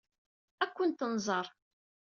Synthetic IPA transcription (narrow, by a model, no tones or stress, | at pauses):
ækʷːənt̪ənzˤəɾˤ